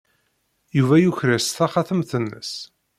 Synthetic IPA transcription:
juvæjuçɾæsθaχaθəmθənːə̰s

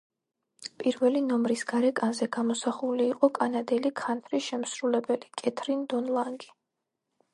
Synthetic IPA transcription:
pʼiɾvɛlinɔmɾisɡ̥aɾɛkʼanzɛɡamɔsaχuliːqʼɔkʼanad̪ɛlikʰant̪ʰɾiʃɛmsɾulɛbɛlikʼɛt̪ʰɾind̪ɔnlˠaŋɡi

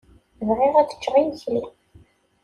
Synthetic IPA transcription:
vʁiʁæt͡sːə̥t͡ʃːʁijçli

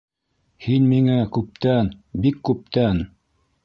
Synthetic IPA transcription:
hinmiŋækʉp̚t̪ænbikːʉp̚t̪æn

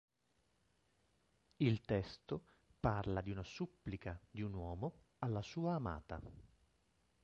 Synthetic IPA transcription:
ilt̪ɛst̪o | parlad̪iunasupːlikad̪iunwɔːmo | alːasuːaːma̰ːt̪a̰

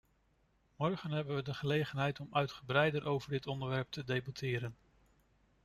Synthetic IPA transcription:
mɔɹχənɦɛbənʋədəχəlejχənɦɛjtɔmœɥtχəbrɛjdəɾʔowvəɹdɪtɔndəɹʋɛɹp̚tʰədejbɑtʰɪːɾən

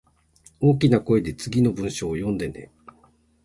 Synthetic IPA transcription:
o̞ːk̬ʲinako̞e̞d̪e̞t͡sɨɡʲino̞bɯ̟̃ɰ̃ɕo̞ːjõ̞nd̪e̞nḛ

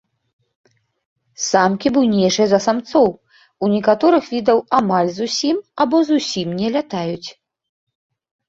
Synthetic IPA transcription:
samkʲibɨwnʲɛjʂɨjɐzɐsamt̪sɔw | unʲɛkat̪ɔɾɨxvʲid̪ɐwamalʲzusʲimabɔzusʲimnʲɛlʲat̪ajut͡sʲ

